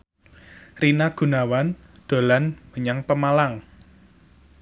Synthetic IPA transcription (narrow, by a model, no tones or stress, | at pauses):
rinaɡ̥ṳnawand̪̥o̤lanməɲaŋpəmalaŋ